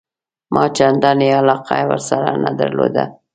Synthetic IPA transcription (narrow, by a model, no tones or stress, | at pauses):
mʔɑt͡ʃand̪ɑnealɑqajwəɾsaɾanad̪aɾlod̪a